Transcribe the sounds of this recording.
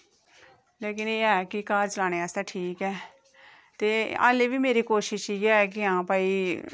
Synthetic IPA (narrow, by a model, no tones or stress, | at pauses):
leːkɪneːɛːkɪkaːɾt͡ʃəlaːneaːst̪aːʈʰiːkɛː | t̪eːa̰ːleːʋiːmeːɾikoːʃɪʃiːɛːk̬ɪɦãːpaːiː